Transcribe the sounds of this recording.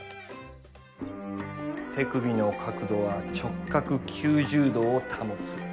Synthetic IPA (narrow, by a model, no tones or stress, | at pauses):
t̪ʰe̞kɯ̟bʲino̞kʰakɯ̟d̪o̞βat͡ɕo̞kːakɯ̟kʲʰɨːʑɨːd̪o̞ːt̪ʰamot͡sɨ̥